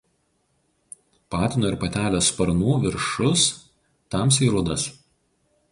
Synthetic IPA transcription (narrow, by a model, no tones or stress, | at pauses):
pɑːt̪ʲɪnoːɪɾpɐt̪ʲæːlʲoːspɐɾnuːʋʲɪɾʃʊs | t̪ɐms̬ʲiːɾʊd̪ɐs